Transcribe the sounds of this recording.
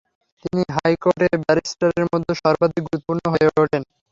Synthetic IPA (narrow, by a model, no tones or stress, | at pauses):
t̪iniɦajkoʈebɛɾisʈaɾeɾmod̪ʱːoʃɔɾbad̪ʱik̚ɡuɾut̪ːopuɾnoɦoeooʈʰen